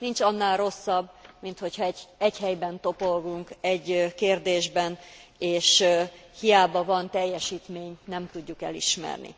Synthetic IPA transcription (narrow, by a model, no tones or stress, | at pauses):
nint͡ʃɒnːaːlro̞sːɒbːmint̪ho̞chɒɛɛɟhɛjbɛnt̪o̞polɡuŋkɛɟːkeːrd̪eːʒbɛneːʃhijaːbɒvɒnt̪ɛjːɛʃiːt̪meːɲnɛmt̪uɟːukɛlḭʃmɛ̰rnḭ